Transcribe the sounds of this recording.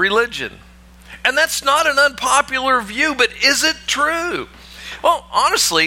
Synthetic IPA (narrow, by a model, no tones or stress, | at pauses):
ɹɪlɪd͡ʒɨ̰̃n | ɨ̃nðætsnəɾɨ̃nə̃npʰɑpjl̩ˠə˞vjʉbʌɾɪzɪtʰɹ̥ʉ | wɛlˠʔɑnɨstˡli